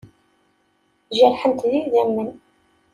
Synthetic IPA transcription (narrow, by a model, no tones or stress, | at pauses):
ʒəɾħənt̪ðiðæmːən